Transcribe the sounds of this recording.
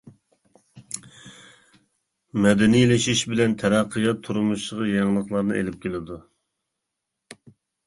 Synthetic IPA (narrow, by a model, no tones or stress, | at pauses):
mɛd̪ɛnijlɪʃiʃbɪlɛnt̪ʰɛɾɑqʰːəjɑt̪ʰːuɾumuʃlˠəʁɑjɑŋlˠəχlˠɑɾnɨ̰ʔḛlɪp̚kʲelɪd̪u